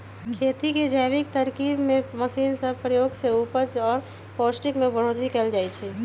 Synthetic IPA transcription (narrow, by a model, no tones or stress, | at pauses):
kʰeːt̪iked͡ʒaɪʋɪk̚t̪əɾkiːbmẽməsiːnsəbpɾəjoːɡseuːpəɾt͡ʃɔːɾ | pɔːsʈɪkmẽbəɽ̤ot̪ɦikɛːld͡ʒaːit͡ʃʰɛ